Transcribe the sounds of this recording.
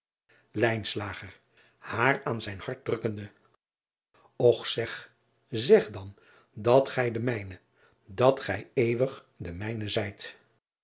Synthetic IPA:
lɛjnslaːχər | haːraːnzɛjnhɑɹt̚drɵkəndə | ɔχsɛχ | zɛχdɑn | dɑtχɛjdəmɛjnə | dɑtχɛjejʋəχ | dəmɛjnəzɛjt

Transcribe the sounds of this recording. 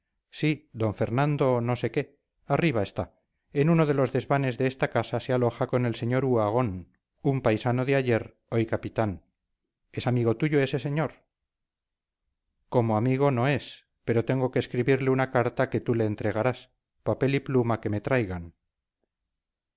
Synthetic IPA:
sid̪o̞ɱfe̞ɾnãnd̪o̞no̞se̞ke̞ | ariβ̞ae̞st̪a | enuno̞ð̞e̞lo̞zðe̞zβane̞zðeest̪akasasealo̞xako̞ne̞lse̞ɲo̞ɾuaɣ̞o̞n | umpajsano̞ðeaʝe̞ɾ | o̞jkapit̪an | e̞samiɣo̞t̪uʝo̞e̞se̞se̞ɲo̞ɾ | ko̞moamiɣo̞no̞e̞s | pe̞ɾo̞t̪e̞ŋɡo̞keːskɾiβiɾleunakaɾt̪ake̞t̪ule̞ːnt̪ɾe̞ɣ̞aɾas | pape̞liplumake̞me̞t̪ɾajɣan

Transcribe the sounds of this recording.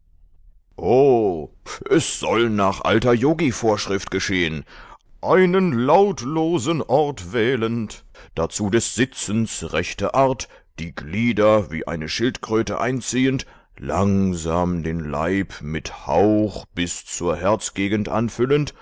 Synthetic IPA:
ʔoː | ʔɛsz̥ɔlnaːχʔa̰ltɐjoːɡifoːɐʃʁ̥ɪftɡ̥əʃeːənʔaɪnənlaʊtloːzənʔɔɐtv̥ɛːlənt | d̥at͡suːdɛsz̥ɪt͡sn̩sʁɛçtɐʔaɐt | d̥iːɡliːdɐvḭːʔa̰ɪnəʃɪltkʁ̥øːtə̰ʔa̰ɪnt͡siːənt | la̰ŋzaːmdeːnla̰ɪpmɪtha̰ʊxb̥ɪst͡suːɐhɛɐt͡sɡ̥eːɡən̩tʔa̰nfʏlənt

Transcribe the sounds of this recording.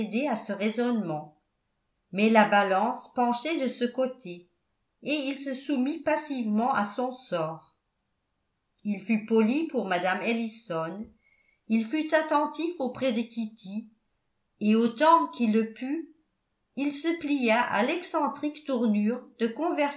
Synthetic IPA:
d̪easəʁezɔnmɑ̃ | mɛlabalɑ̃spɑ̃ʃed̪əsəkot̪ʰeː | ilsəsumipasivmɑ̃ʔasɔ̃sɔːʁ | ilfypɔlipuʁmad̪amelisɔn | ilfyt̪at̪ɑ̃t̪ifopχɛd̪əkʲit̪ʰi | eot̪ɑ̃kilːəpy | ilsəplijaʔa̰lɛksɑ̃t̪χikt̪uʁnyːʁd̪əkɔ̃vɛʁ

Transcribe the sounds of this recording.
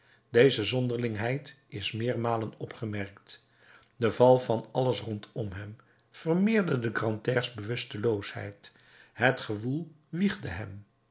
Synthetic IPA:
dejzəzɔndəɹlɪŋɦɛjt | ɪsmɪːɹmaːlənɔpχəmɛɹkt | dəvɑlˠvɑnɑləsrɔntʰɔmɦɛm | v̥ərmɪːɹdədəɡrɑntɛːɹzbəʋɵstəlowshɛ̰jt | ɦətχəvulˠ | ʋiχdəɦɛm

